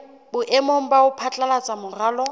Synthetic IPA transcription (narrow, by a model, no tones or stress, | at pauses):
bʊʔɛmom̩baʊpʰat͡ɬʼalat͡sʼamʊraːlɔ